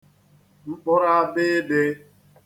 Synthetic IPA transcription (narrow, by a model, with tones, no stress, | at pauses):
ŋ͡m̩˦k͡pɔ˦ɾa˦a˦bɪ˦be˦